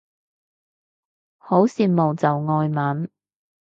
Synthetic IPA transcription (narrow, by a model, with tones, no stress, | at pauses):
ho˨˥wsiː˨˧n̚mo˨˩wt͡sɐ˨wŋɔː˧jmɐ˨˥n